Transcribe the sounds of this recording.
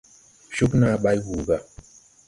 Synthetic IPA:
ʃu˦kna˦ɓa˦jwu˨ba˦˨

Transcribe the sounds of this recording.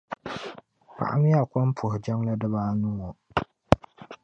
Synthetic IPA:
pa̰˨ʔa̰˦mɪ˦a˨kɔ˦mpʰʊ˨hɪ˨d͡ʒa˦ŋla˦dɨ˦βaː˦nu˦ŋɔ˨

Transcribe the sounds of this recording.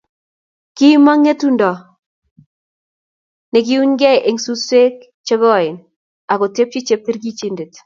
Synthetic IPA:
ki˦ma˦ŋe˦tu˦ndɔ˨ | nɛ˨k̬i˦u˦ɲɡɛ˦ʔe˨ŋsu˦se˦k̚ | t͡ʃɛ˦ɡɔ˦˨ɪ˨n | a˨ko˨te˦p̚t͡ʃi˦t͡ʃe˦p̚ti˦ɾɡi˦t͡ʃi˦nde˨t

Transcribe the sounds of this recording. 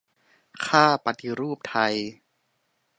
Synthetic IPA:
kʰaː˥˩pa˧t̪ʰi˧ɾuː˥˩p̚t̪ʰa˧j

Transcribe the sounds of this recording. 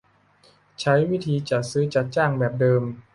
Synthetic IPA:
t͡ɕʰa˦˥jwi˦˥t̪ʰiː˧t͡ɕa˨˩t̪̚sɯː˦˥t͡ɕa˨˩t̪̚t͡ɕaː˥˩ŋbɛː˨˩p̚dɤː˧m

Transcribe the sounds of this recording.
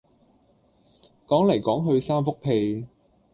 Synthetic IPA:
kɔː˨˥ŋlɐ˨˩jkɔː˨˥ŋɦɵ˧ɥsaː˥mfʊ˥k̚pʰe˧j

